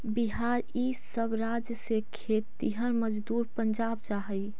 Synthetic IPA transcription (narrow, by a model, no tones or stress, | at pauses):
biɦaːɾ | iː | səbɾad͡ʒjəsekʰet̪ːiɦəɾməd͡ʒd̪uːɾpəɲd͡ʒaːbt͡ʃaɦəi